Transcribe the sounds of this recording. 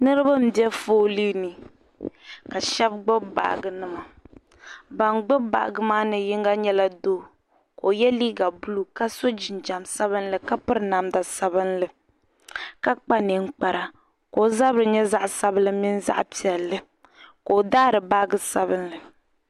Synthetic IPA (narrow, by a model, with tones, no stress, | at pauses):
nɨ˦ɾɨ˦ba˦m̩˦bi˦ɛ˦foː˦li˦nɨ˨ | ka˨ʃɛ˦b̚ɡ͡bo˦ba̰˨ɡɨ˨nɨ˦ma˨ | ba˨ŋɡ͡bʊ˦ba̰˨ɡɨ˦maː˦nɨ˨ji˦ŋɡa˦ɲɛ˦la˦doː˦˨ | ko˨jɛ˦liː˦ɡa˨bu˦lu˨ka˦so˦d͡ʒi˨nd͡ʒa˨msa˦βɨ˦nlɨ˨ka˦pɨ˦ɾɨ˦na˨mda˨sa˦bɨ˦nlɨ˨ | ka˦k͡pa˦nɨ˨ŋ̩˦k͡pa˨ɾa˨ | ko˨˦za˦bɾɨ˨ɲɛ˦za˦ʔsa˦bɨ˦lɨ˨mi˦n˦za̰˦ʔpi˨ɛ˨lːɨ˦ | ko˨daː˦˨ɾɨ˨ba˦ɡɨ˨sa˦βɨ˦nlɨ˨